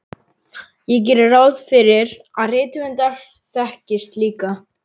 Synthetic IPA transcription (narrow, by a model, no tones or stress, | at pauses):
jɛc̬ɛːɾɪrawðfɪɾɪɾ | aðreːjt̪ɪvɪnt̪aɾ̥ | θɛhcɪst̪liːka